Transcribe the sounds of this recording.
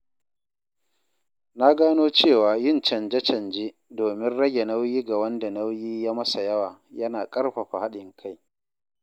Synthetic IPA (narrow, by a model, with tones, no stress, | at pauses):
na˦ɡaː˦noː˦t͡ʃeː˦˨waː˨jɪ˦˨nt͡ʃɐ˨nd͡ʒɛ˦t͡ʃɐ˨nd͡ʒeː˦ | doː˨mɪ˦nɽɐ˦ɡʲe˨na˦wjiː˦ɡa˨wɐ˦nda˨na˦wjiː˦jaː˦mɐ˦sa˨jɐ˦waː˨jɐ˦naː˨kʼɐ˦rɸa˨ɸa˨ha˦ɗɪ˨ŋkʰa˦j